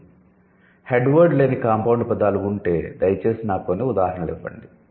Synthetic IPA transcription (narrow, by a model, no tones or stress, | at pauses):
heɖʋɐɾɖle̞ːnikaːmpɐwuɳɖpɐd̪aːluːɳʈe̞ːd̪ɐjɐt͡ʃe̞ːsinaːkoːneːud̪aːɦɾɐɳɐlɛʋːɐ̰ɳɖi